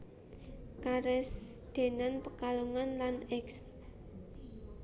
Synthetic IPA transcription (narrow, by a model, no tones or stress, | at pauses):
kaɾɛsd̪̥e̤nanpəkaluŋanlanɛks